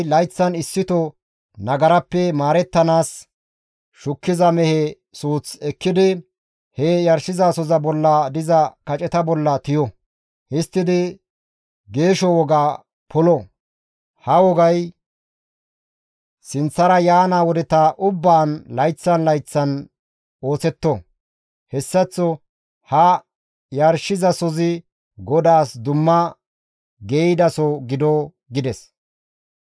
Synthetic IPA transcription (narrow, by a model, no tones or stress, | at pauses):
lɐjt͡sːɐnɪsːɪt̪ɔ | nɐɡɐɾɐpːɛmaːɾɛt̪ːɐnaːs | ʃʊkːɪzɐmɛhɛ | suːt͡sɛkːɪd̪ɪ | hɛjɐɾsɪzaːsɔzɐbɔlːɐd̪ɪzɐkɐt͡ʃʼɛt̪ɐbɔlːɐt̪ɪjɔ | hɪst̪ːɪd̪ɪ | ɡe̞ːʃɔwɔɡaː | pʰɔlɔ | hɐwɔɡɐj | sɪnt͡sːɐɾɐjaːnaːwɔd̪ɛt̪aʔʊbːaːnlɐjt͡sːɐnlɐjt͡sːɐn | o̞ːsɛt̪ːɔ | hɛsːɐt͡sːɔ | hɐ | jɐɾʃɪzɐsɔzɪ | ɡɔd̪aːsd̪ʊmːɐ | ɡeːjd̪ɐsɔɡɪd̪ɔ | ɡɪd̪ɛs